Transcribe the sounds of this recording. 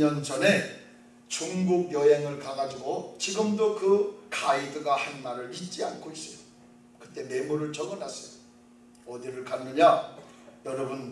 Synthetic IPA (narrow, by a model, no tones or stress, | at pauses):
ʌnd͡ʑʌne | t͡ɕuŋɡuɡ̚jʌɦe̞ŋɯɭkaŋad͡ʑiɡot͡ɕiɡɯmdokɯkʰaidɯɡahanmaɾɯɭit̚t͡ɕ͈ia̰nkʰois͈ʌjo | kɯ̥t͈e̞me̞muɾɯɭt͡ɕʌɡɯnas͈ʌjo | ʌdiɾɯɭkanmʌɲa | jʌɾʌbun